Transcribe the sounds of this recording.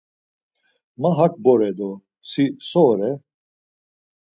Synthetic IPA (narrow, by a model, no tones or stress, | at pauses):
mɐɦɐk̚boɾɛd̪o | sisoːɾɛ